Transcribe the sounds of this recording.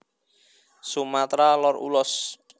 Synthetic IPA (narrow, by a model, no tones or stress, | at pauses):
sumat̪ɾalɔrṵlɔs